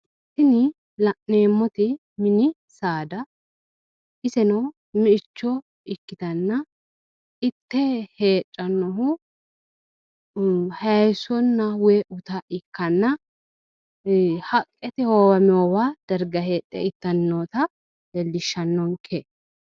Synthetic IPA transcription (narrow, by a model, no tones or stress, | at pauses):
sɪnɪ | lɐʔneːmːɔt̪ɪ | mɪnɪ | saːd̪ɐ | ɪsɛnɐw | mɪɪt͡ʃːɔ | ɪkːɪt̪ɐnːɐ | ɪt̪ːɛhe̞ːt͡ʃʼːɐnːɔɦʊ | hɐjsɔnːɐweʔʊt̪ɐʔɪkːɐnːɐ | hɐkʼːɛt̪ɪhoːwɐmɛoːwaːd̪̥ɐɾɡɐheːtʼːɛ̰ɪt̪ːɐnːoːt̪ɐ | ɛlːɪʃːɐnːɔŋkʰe